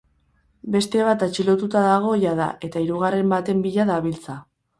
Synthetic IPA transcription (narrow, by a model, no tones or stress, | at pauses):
be̞st̪e̞β̞at̪at͡ʃilo̞t̪ut̪aðaɣ̞o̞jaða̰ʔe̞t̪aiɾuɣ̞are̞mbat̪e̞mbiʎaðaβilt͡sa